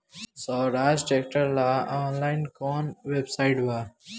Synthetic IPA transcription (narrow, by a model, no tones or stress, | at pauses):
soɾaːd͡ʒʈek̚ʈəɾlaɔːnlaɪnkɔːnʋebsaɪʈʋa